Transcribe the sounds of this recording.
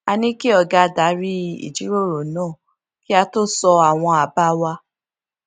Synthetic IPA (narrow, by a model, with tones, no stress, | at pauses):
a˧nĩ˦ki˦ɔ˦˨ɡa˧da˨˦ɾi˦ḭ˨d͡ʒi˨˦ɾo˦˨ɾo˨nãː˦˨ | ki˦a˧to˦sɔ˧a˨w̃ɔ̃˧a˨ba˦wa˧